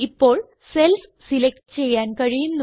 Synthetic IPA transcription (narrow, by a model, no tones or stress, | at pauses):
ipːoːɭ | selfsilek̚ʈt͡ɕejankɐɻijinː